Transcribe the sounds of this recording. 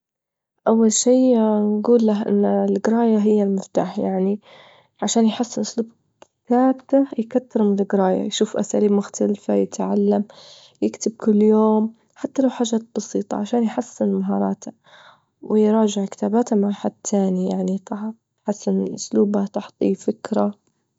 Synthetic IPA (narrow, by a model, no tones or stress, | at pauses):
ʔawːalʃiːnɡuːlːaɦʔɪ̰nːlɡɾˤɑːjaɦɪjːalmɪft̪a̰ːħjaʕni | ʕaʃaːnjħasːɪnʔʊsluːb̚ | kɪ̥t̪aːbt̪ajkat̪ːɪɾmɪlɡɾˤɑːja̰jʃuːfʔa̰sa̰ːliːbmʊxt̪ʰalfajɪt̪ʕalːam | jɪkt̪ɪb̚kʊlːjoːm | ħat̪ːalawħaːʒːaːt̪̚b̥ɑsiːt̪ˤɑ̰ʕaʃaːnjħasːɪnmaɦɑːɾˤɑ̰ːt̪ʰa | wɪjɾˤɑːd͡ʒɪʕkɪ̥t̪aːbaːt̪hamaʕħad̪̚t̪ʰaːnijaʕnit̪ɑ | ħasːɪnʔʊsluːbat̪ʊħt̪ˤifɪkɾa